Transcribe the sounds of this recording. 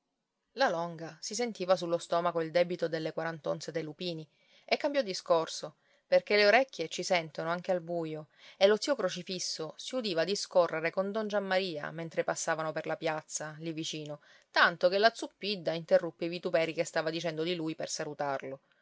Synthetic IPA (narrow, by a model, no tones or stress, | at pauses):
lalɔŋɡasis̬ent̪iːvas̬ulːost̪ɔmakoild̪ɛbit̪od̪elːekwaɾant̪o̰nt̪sed̪ejlupiːni | ekːambjɔd̪ːiskorso | perk̟eleoɾɛkʲːjet͡ʃisɛnt̪onoaŋk̟ealbuːjo | elot̪siːokɾot͡ʃifisːosiud̪iːvaːd̪iskorːeɾekond̪ond͡ʒamːaɾiːa̰ment̪ɾepasːaːvanoperlapjat̪sːalivit͡ʃiːno | t̪ant̪okelːat̪supːid̪ːaint̪erːupːeivit̪upɛːɾikest̪aːvad̪it͡ʃɛnd̪od̪iluːjpersalut̪arlo